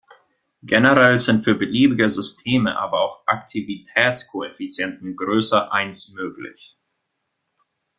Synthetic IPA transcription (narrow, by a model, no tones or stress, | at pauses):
ɡ̥ɛnəʁɛlzɪntfyːɐbəliːbɪɡəzʏstʰeːmə̰ʔa̰ːbɐaʊxʔaktʰivitʰɛːt͡skʰoefit͡sjɛntn̩ɡʁøːsɐʔaɪnsmøːklɪ̰ç